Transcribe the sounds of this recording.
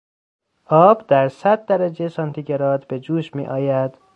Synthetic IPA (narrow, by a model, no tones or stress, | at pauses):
ʔɒːb̥d̪̥æɾsæd̪̚ːæɾæd͡ʒejesɒnt̪ʰiɟeɾɒːd̪be̞d͡ʒuːʃmḭːʔɒːjæd̪̥